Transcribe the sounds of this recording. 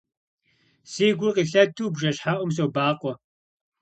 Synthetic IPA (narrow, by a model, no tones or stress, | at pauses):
siːɡʷʊqiːɬɐtʰuːbʒɐɕħaːʔʷʊms̬ɐwbaːqʷʼɔ